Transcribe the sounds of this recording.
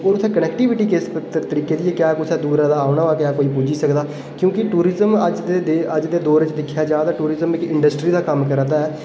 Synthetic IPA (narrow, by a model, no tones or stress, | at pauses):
oːɾʊt̪ʰːẽːkənɛːkʈiʋɪʈiːkest̪əɾiːkeːd̪ɪːeːkjaːkʊsɛːd̪uːɾãːd̪aːaːʊnaːʋaːkɪjaːkoːiːpuːd͡ʒiːsəkd̪aː | kjõːkɪʈuːɾɪzəməd͡ʒd̪ed̪əd͡ʒd̪eːd̪oːɾɪt͡ʃd̪ɪkʰːjaːd͡ʒaːd̪aːʈuːɾɪzəmɪkɪɳɖəsʈɾiːd̪aːkəmkəɾd̪aːɛː